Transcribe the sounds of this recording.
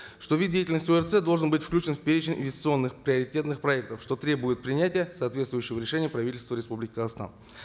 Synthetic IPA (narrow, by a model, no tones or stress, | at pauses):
ʂt̪o̞vʲid̪dʲejɪtʲɪlʲnəsʲtʲoɛrt̪sɛd̪o̞lˠʐənbɨtʲfklʲʉt͡ɕɪnfʲpʲeɾʲɪt͡ɕɪnʲɪ̰nvʲɪsʲtʲɪtsɨo̞nːɨxpɾʲɪəɾʲɪtʲe̞t̪nɨxpɾɐɛk̚t̪əfʂt̪o̞t̪ɾʲe̞bʊjɪt̪̚pɾʲɪnʲætʲɪjəsaːt̪vʲet̪st̪vʊjʏɕːɪvəɾʲɪʂɛnʲɪjəpɾɐvʲitʲɪlʲst̪vəɾʲɪspublʲɪkʲɪkəzəxst̪a̰n